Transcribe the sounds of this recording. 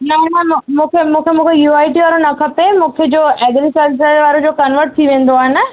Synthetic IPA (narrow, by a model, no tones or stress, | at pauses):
nɐɦĩnɐɦm̃mũːkʰemũːkʰemũːkʰejuːaːɪʈiʋaːɾonɐkʰɐpemũːkʰed͡ʑoːʔɛːɡlisɐɾʋɪs̬əɾʋaːɾod͡ʑoːkɐnʋəɾʈ̚t̪ʰiʋẽːn̆d̪oaːɦɪnɪ̆